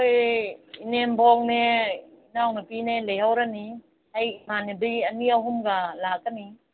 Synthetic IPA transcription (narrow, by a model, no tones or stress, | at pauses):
ojinenbʱɔŋne | inawnapinelejhawɾani | ajmanediɡɐniaɦumɡalak̚ːani